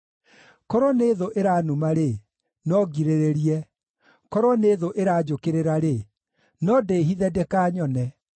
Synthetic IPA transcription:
kɔɾɔneːðoʔeɾaːnumaɾe | nɔɡiɾeɾeɾiɛ | kɔɾwɔneːðoʔeɾaːd͡ʒokeɾeɾaɾe | nɔdeːɦiðɛdekaːɲɔnɛ

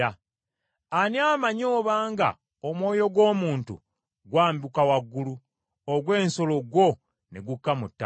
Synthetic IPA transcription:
a | aniaːmaɲo̞ːβaːŋɡa̰ | omwo̞ːjo̞ɡwo̞ːmuːntṵ | ɡwaːmbukawaɡːulu | oɡwe̞ːnso̞lo̞ɡwo̞ | ne̞ɡukːamutːa

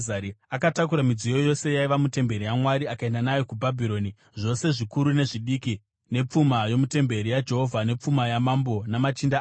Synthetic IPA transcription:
aɾiakatakuɾamid͡zijo̞jo̞se̞jaiʋamute̞mbe̞ɾijamwaɾiakae̞ndanajo̞kubʱabʱiɾo̞ni | ʐo̞se̞ʐikuɾune̞ʐiɗiːki | ne̞p͡fumajo̞mute̞mbe̞ɾijad͡ʒeɦo̞vʱane̞p͡fumajamambo̞namat͡ʃinda

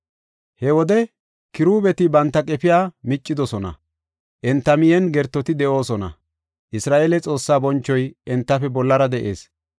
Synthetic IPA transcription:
hɛwɔd̪ɛ | kɪɾuːbɛt̪ɪbɐnt̪ːɐkʼɛpɪjaːmɪt͡ʃʼːɪd̪ɔsɔnɐ̰ | ʔɛnt̪ːɐmɪjɛnɡɛɾt̪ːɔt̪ɪd̪ɛʔo̞ːsɔnɐ̰ | ʔɪsɾaːʔeːlɛt͡sʼo̞ːsːaːbɔnt͡ʃːɔjɛnt̪ːɐfɛbɔlːɐɾɐd̪ɛʔe̞̰ːs

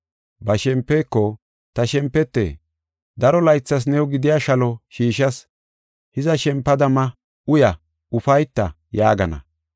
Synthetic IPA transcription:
bɐʃɛmpːeːkːɔ | t̪ɐʃɛmpːɛt̪ːḛː | d̪ɐɾɔlɐjt͡sːɐs̬nɛwɡɪd̪ɪjaːʃɐlɔʃiːʃɐs | hɪzɐʃɛmpːɐd̪ɐmɐ | ʊjɐ | ʊfɐjt̪ːɐ | jaːɡɐnɐ̰

